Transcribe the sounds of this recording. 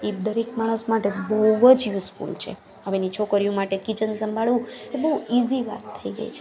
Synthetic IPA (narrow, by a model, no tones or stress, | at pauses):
id̪əɾekmaɽ̃əsmaʈebəəd͡ʒjuskṵlt͡ʃʰḛ | ɦəʋenit͡ʃʰokəɾijũmaʈekit͡ʃənsəmbʱaɭʋũebəɦuiziʋa̰t̪ʰːəiɡə̰ḭt͡ʃʰe